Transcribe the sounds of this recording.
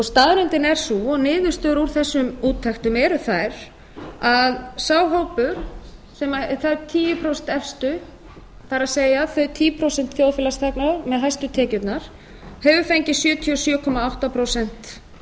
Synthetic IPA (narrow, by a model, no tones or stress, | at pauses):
ɔɣst̪aːðɾʏnt̪ɪnɛɾ̥suɔɣnɪːðʏ̥st̪œːɾuɾ̥θɛsːʏmuːt̪ʰːajxt̪ʏmɛɾʏθajɾ̥ | aðsaːwɦowpʏɾ̥sɛmaθajt̪ʰiːjʏpʰɾowsɛn̥t̪ɛfst̪ʏ | θaɾaseːjaθœɥt̪ʰiːpʰɾowsɛnt̪θjoːwðfɪːlast̪ʰɛknaɾmɛðɦajst̪ʏt̪ʰɛːcʏt̪naɾ̥ | hɛvʏfejɲcɪsjœːt̪ʰiɔsjœːkʰɔmaawht̪apʰɾowsɛn̥t̪